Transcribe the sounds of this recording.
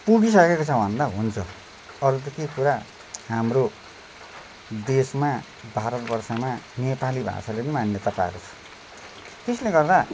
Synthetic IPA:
puɡis̬ʌkekot͡sʰʌbʱʌnd̪aɦunt͡sʰʌ | ʌɾut̪̬ʌkekuɾa | ɦamɾo | d̪esma | bʱaɾʌt̪bʌrsamanepalibʱa̰salepʌnimanjʌt̪apa̰ḛɾot͡sʰʌ̥ | t̪esleɡʌrd̪a

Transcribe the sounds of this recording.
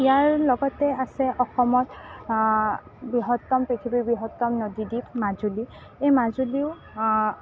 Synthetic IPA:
ijaɹlɔɡɔtɛasɛʔɔxɔmɔt | biɦɔtːɔmpekʰibibiɦɔtːɔmnodiditmazuli | ejmazuliʊ

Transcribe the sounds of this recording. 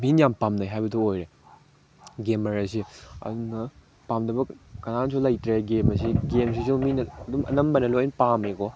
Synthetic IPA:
minjampamnajɦajbɐtuojɾe | ɡemɐɾɐsiɐ̰duŋnɐ | pamdɐbɐkɐnansulɐjtɾeɡemɐsiɡemsisuminɐɐdumʔɐ̰nɐmbɐnɐloinpamekɔ

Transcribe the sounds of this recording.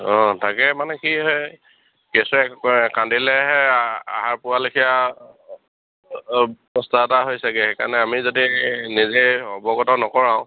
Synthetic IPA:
ɔ̃tʰakɛmanɛkiɦɔj | kɛsɛkandilɛɦɛa̰ɦaɹpʊalekʰija | pɔstataɦojsakɛxeka̰ɹnɛamizodinizeɔbɔɡɔtɔnɔkɔɹãʊ̃

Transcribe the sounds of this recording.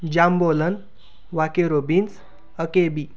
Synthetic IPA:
d͡ʑambolən | ʋakeɾobins | əkebi

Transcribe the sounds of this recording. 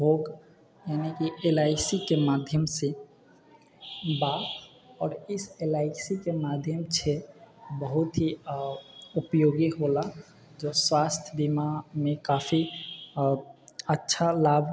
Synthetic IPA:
ɦoːɡ | jaːnikiʔelaːɪsikemaːd̪ʱjəmse | ba | ɔːɾɪselaːɪsikemaːd̪ʱjəmt͡ʃʰebəɦʊt̪ɦi | ʊpjoːɡiɦola | d͡ʒoswaːst̪ʰjəb̪imamẽkaːpʰi | ətːʃʰalaːbʱ

